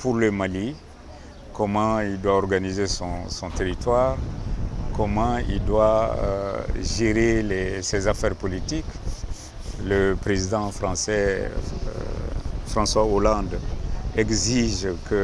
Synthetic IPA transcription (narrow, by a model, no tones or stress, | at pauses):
puʁləmali | kɔmɑ̃ild̪waɔʁɡanizesɔ̃sɔ̃t̪eʁit̪waʁ | kɔmɑ̃ḭld̪wa̰ | ʒeɾelɛsɛzafɛʁpolit̪ik | ləpʁezid̪ɑ̃fʁɑ̃sɛ̰ | fʁɑ̃swaolɑ̃d̪ɛɡziʒkə